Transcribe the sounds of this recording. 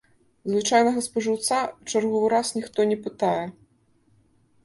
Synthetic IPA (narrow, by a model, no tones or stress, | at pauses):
zvɨt͡ʂajnɐɣɐspɐʐɨwt̪sat͡ʂarɣɔvɨɾasnʲixt̪ɔnʲɛpɨt̪ajɛ